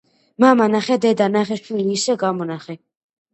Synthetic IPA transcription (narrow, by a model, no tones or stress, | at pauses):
mamanaχɛd̪ɛd̪anaχɛʃwiliːsɛɡamɔnaχɛ